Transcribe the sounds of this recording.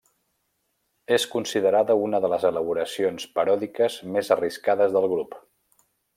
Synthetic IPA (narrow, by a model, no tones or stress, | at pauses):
eskunsiðəɾaðəunəðələzələβuɾəsionspəɾɔðikəzmezəriskaðəzðəlˠɣɾup